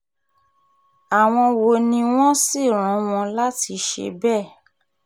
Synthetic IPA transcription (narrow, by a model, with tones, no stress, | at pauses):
a˨w̃ɔ̃˧wo˨nĩ˧w̃ɔ̃˦si˦˨ɾ̃ɔ̃˨˦w̃ɔ̃˧la˦ti˧ʃḛ˧bɛ˦˨